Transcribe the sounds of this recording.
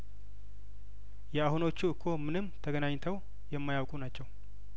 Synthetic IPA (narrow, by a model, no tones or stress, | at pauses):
jɛahuno̞t͡ʃːuɨkʰːo̞mɨnɨmːt̪ʰəɡənaɲt̪ʰəw | jɛmːajawkʼunat͡ʃːɛw